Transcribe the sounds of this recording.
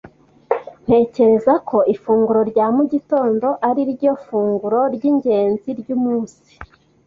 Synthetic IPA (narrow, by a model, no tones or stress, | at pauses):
n̥he̞ːce̞ɾe̞zakʰo̞ʔifuːŋɡuɾo̞ɾɟaːmuɟito̞ːndo̞ʔaɾiɾɟo̞fuːŋɡuɾo̞ɾɟiːɲɟe̞ːnziɾɟuːmuːnsi̥